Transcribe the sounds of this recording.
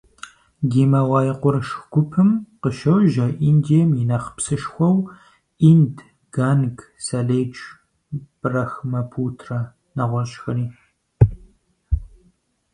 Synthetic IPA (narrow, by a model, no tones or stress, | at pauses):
ɡiːmɐwɑːjɪqʷʊrʃɡʷʊpʰɨmqəʃɐwʒɐʔiːndijɛmjinɐχpsɨʂxʷɔw | ind | ɡ̥aːnɡ | saleːd͡ʒ | b̥ɨrɐxmɐpʰuːtʰrɐ | nɐʁʷɔɾɕʼxɐɾiː